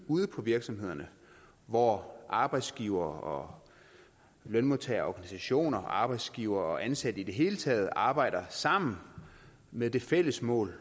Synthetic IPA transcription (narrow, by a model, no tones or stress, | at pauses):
uːð̞ˠəpʰɒ̽ʋiɐɡ̥sɒ̽mɦe̝ð̰ˠɐnə | ʋɒʔɑ̈b̥ɑ̈ɪ̰d̥sɡ̥iːʊ̰ɐːɒ̽ | lønmo̝t͡sʰæːɐɒːɡ̥ænisæɕo̝̰ːnɐɑ̈ːb̥ɑ̈ɪ̰d̥sɡ̥iʊɐːɒ̽ʔænsæd̥əid̥e̝ɦe̝ːlət͡sʰɛ̰ːð̞̩ˠʔɑ̈ːb̥ɑ̈ɪ̰ɾ̥ɐsɑ̈m̰n̩ | meðˠd̥e̝fel̰əsmɔ̰̽ːl